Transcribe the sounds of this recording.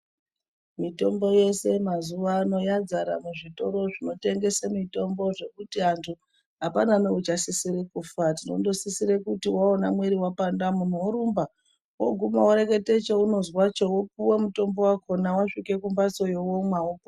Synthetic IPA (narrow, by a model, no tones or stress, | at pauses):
mito̞mbo̞je̞se̞mazuʋaːno̞jad͡zaɾa̰muʐito̞ɾo̞ʐino̞te̞ŋɡe̞semito̞mbo̞ʐe̞kutiantʰu | ɦapananeut͡ʃasisiɾekufatino̞̰ndo̞sisiɾekutiwaonamwe̞ɾiwapandamun̤uwoɾumba | wo̰ɡʱumawoɾe̞ke̞te̞t͡ʃeuno̞zwat͡ʃowop̚uwe̞muto̞mbo̞wakʰo̞nawaʂike̞kumbat͡so̞jowomwawopo